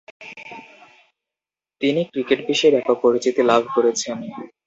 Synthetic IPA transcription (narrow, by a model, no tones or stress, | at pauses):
t̪inikɾikeʈbiʃeɾɛkopoɾit͡ɕit̪ilabʱkoɾet͡ɕʰianmi